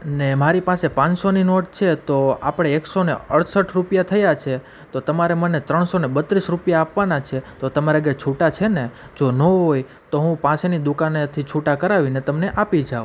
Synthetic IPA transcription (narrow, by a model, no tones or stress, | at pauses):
nemaɾipasepãt͡ʃsoninoʈt͡ʃʰet̪oa̰pɽ̃eeksoneəɽsəʈʰɾupjat̪ʰəjat͡ʃʰe | t̪ot̪əmaɾemənet̪ɾəɳsonebət̪ɾisɾupjaːpʋanat͡ʃʰet̪ot̪əmaɾaɡet͡ʃʰuʈat͡ʃʰene | d͡ʒonəɦoj | t̪oɦũpãsenid̪ʊkanet̪ʰit͡ʃʰuʈakəɾaʋinet̪əmneʔapid͡ʒao